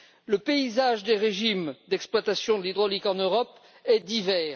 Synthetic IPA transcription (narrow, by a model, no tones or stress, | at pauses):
ləpeizaʒd̪eʁeʒimd̪ɛksplwat̪asjɔ̃d̪əlid̪ʁɔlikɑ̃nøʁɔp | ɛd̪ivɛːʁ